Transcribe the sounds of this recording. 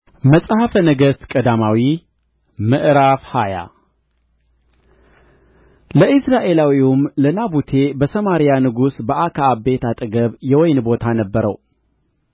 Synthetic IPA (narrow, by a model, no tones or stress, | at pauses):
məsʼhəfənəɡəst̪kʼəd̪amawi | mɨʔɾafhaja̰ | ləʔɨsɾaʔe̞lawiumlənabut̪ʰe̞bəsəmaɾijanɨɡusbəʔakʰaːbe̞t̪at̪ʼɨɡəβjɛwɔjnbo̞t̪ʰanəbːəɾə̰w